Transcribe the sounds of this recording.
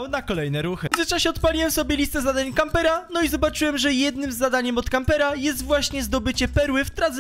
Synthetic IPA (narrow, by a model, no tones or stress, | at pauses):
wnakɔlɛjnɛɾuxɘɘt͡ʂaɕɛɔt̪̚palʲiwɛmsɔbʲjɛlʲist̪ɛzad̪aɲkampɛɾanɔizɔbat͡ʂɘwɛmʐɛjɛd̪̚nɘmzːad̪aɲɛmɔt̪kampɛɾajɛs̬t̪vwaɕɲɛzd̪ɔbɘt͡ɕɛpɛɾwɘft̪ɾad̪z